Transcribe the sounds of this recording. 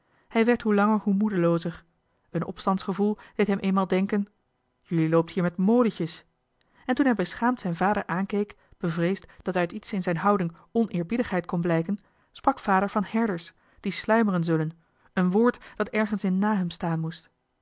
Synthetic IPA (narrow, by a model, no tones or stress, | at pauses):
hɛjʋɛɹtɦulɑŋəɹɦumudəlowzəɹ | ənʔɔ̰pstɑntsχəvulˠd̥ejtɦɛmʔeːnmaːlˠdɛŋkən | jylilowp̚thiːɹmɛtmoːləcəs | ɛntunɦɛjbəsχaːmtsɛjnvaːdəɹʔaːnkejk | b̥əvrejstd̥ɑtœɥtitsɪnzɛjnɦɑwdɪŋ | ɔnɪːɹbidəχɦɛjtkɔnblɛjkən | sprɑkfaːdəɹvɑnhɛɹdəɹs | d̥islœɥmərənzɵlən | ənʋoːɹtd̥ɑtɛɹχənsɪnːaːɦɛmstaːnmust